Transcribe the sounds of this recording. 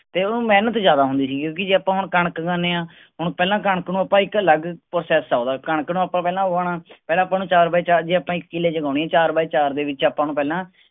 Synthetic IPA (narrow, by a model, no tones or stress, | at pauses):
t̪eːmɛːnət̪zjaːd̪aːɦʊ̃nd̪iːsiːkjõːk̬ɪd͡ʒeːəpãːɦʊɳkəɳəkɡãːneːãː | ɦʊɳpɛːlãːkəɳəknũːaːpãːɪkələɡpɾosɛːsaːd̪aːkəɳəknũːaːpãːpɛːlãːoaːnaːpɛːlãːəpːãːnũːt͡ʃaːɾbaiːt͡ʃaːɾd͡ʒeːaːpãːɪkːɪleːd͡ʒəɡaːʊɳ̃iːɛːt͡ʃaːɾbaiːt͡ʃaːɾd̪eːʋɪt͡ʃaːpãːnũːpɛːlãː